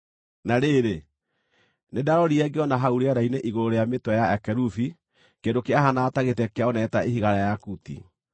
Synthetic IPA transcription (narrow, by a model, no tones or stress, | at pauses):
naɾeɾe | nedaɾɔɾiɛɡeɔnaɦauɾeaɾaineʔiɣoɾoɾejametwɛjaɛkɛɾufi | kendokeaɦanaːtaɣetɛkeaɔnɛtaeɦiɣaɾajakutḭ